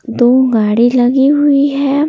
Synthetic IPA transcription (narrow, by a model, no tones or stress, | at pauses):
d̪oːɡaːɽilɐɡiɦʊiɦɛ